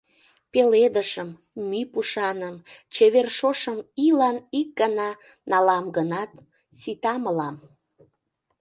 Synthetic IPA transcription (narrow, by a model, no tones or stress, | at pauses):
peled̪əʃəmː | ypuʃɑnəmt͡ɕeβerʃoʃəmilɑnik̚ɡənɑ | nɑlɑmɡənɑt̪ | sit̪ɑməlɑm